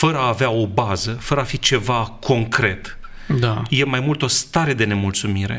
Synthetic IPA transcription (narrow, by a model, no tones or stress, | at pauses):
fəɾəaːveao̞bazəfəɾəafit͡ʃe̞vakʰo̞ŋkɾe̞t̪ | d̪aje̞majmult̪o̞st̪aɾe̞d̪e̞ne̞mult̪sumiɾe̞̰